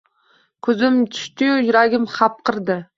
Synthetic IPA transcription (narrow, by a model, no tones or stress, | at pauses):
kʰɵzɪmt̪ʰʊ̥ʃt̪ɪjʊjʊɾaɡʲɪmχɑp̚qʰɨɾd̪ɪ